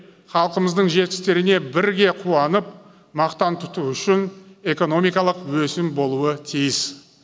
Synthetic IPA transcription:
χɑlˠqəməzd̪əɴʒe̞t̪̚kʲɪ̥st̪e̞ɾɪne̞bɪɾɡʲe̞qʰuwɑnəp | mɑqt̪ɑnt̪ʰʊt̪uʏʃɪne̞ko̞no̞mijkɑlˠəqwɵsɪmbo̞lˠuət̪ʰijɪs

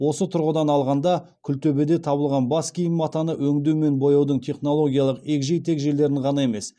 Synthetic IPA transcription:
wo̞sət̪ʰʊɾʁəd̪ɑnɑlˠʁɑnd̪ɑkʲʰʏlt̪ʰɵbe̞d̪e̞t̪ʰɑβəlˠʁɑnbɑskʲijɪmɑt̪ɑnəwɵŋd̪ewme̞nbo̞jɑwd̪əɴt̪ʰe̞χno̞lˠo̞ɡʲijɑlˠəqe̞kʒe̞jt̪ʰe̞kʒe̞le̞ɾɪɴʁɑnɑe̞me̞s

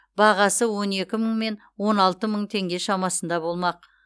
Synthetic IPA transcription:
bɑʁɑsəwo̞ne̞kʲɪməɴme̞n | wo̞nɑlˠt̪əməɴt̪ʰe̞ŋɡʲe̞ʃɑmɑsənd̪ɑbo̞lˠmɑq

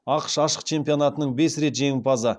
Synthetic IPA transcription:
ɑqə̥ʃɑʃə̥q̚t͡ʃʰe̞mpijo̞nɑt̪ənəɴbe̞sɾe̞t̪ʒe̞ŋɪpʰɑzə

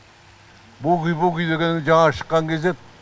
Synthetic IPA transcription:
bukʲyjbukʲyjd̪eɡʲend̪ed͡ʒɑŋɑʃə̥qːɑŋkʲezd̪e

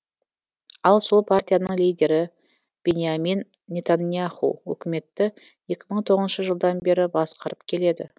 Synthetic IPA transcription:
ɑlˠso̞lˠpʰart̪ʲijanəɴlijd̪ʲe̞ɾɪ | b̥e̞nʲjaminːʲ | e̞t̪anijaχṵwɵ̰kʲɪme̞t̪ːɪ | je̞kʲɪməɴt̪ʰo̞ʁənʃəʒəlˠd̪ɑnbe̞ɾɪbɑsqɑɾəpkʲʰe̞le̞d̪ɪ̰

